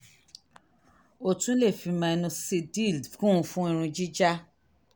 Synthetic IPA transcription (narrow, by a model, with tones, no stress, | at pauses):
o˦˨tũ˦le˦˨fi˨˧mã˧e˧nũ˧si˧di˦˨lkũ˦˧fũ˦ĩ˦˧ɾ̃ũ˧d͡ʒi˦d͡ʒa˦